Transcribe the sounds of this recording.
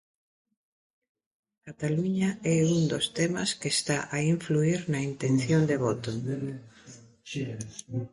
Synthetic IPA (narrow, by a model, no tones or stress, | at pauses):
kat̪aluɲaɛund̪ost̪ɛma̰skest̪aʔaiɱfluiɾnɐint̪enθjond̪eβot̪o